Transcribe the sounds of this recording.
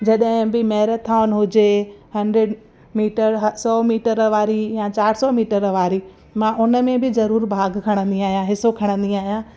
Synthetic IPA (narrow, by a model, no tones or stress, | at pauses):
d͡ʑɐɗɦɪ̃bɪmɐɦɾət̪ʰaːʊnɦʊd͡ʑehɐ̃ɳɖɾeɖ | miːʈəɾɦsɔːmiːʈəɾʋaːɾijãt͡ɕaːɾsɔmiːʈəɾʋaːɾi | mãʔʊnə̆mẽbɪzɐɾuːɾbʱaːɡkʰɐɽ̃ə̃nd̪iaːɦijãɦɪsokʰɐɽ̃ə̃nd̪iaːɦijã